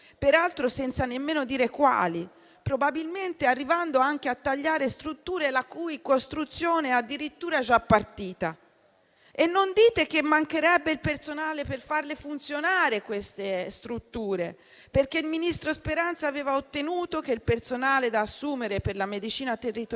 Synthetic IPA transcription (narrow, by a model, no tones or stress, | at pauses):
peɾalt̪ɾosɛnt̪sanemːeːnod̪iːɾekwa̰ːli | pɾobabilment̪earːivand̪oaŋkeat̪ːaʎːaːɾest̪ɾut̪ːuːɾelakujkost̪ɾut̪sːjoːnead̪ːiɾit̪ːuːɾaɛd͡ʒapːart̪iːt̪a | enːond̪iːt̪ek̟emːaŋkeɾɛbːeilpert̪sonaːleperfarlefunt̪sjonaːɾekwest̪est̪ɾut̪ːuːɾe | perk̟eilminist̪ɾospeɾant̪saːvɛːvaot̪ːenuːt̪ok̟eilpert̪sonaːled̪aːsːuːmeɾeperlamed̪it͡ʃiːnat̪erːit̪o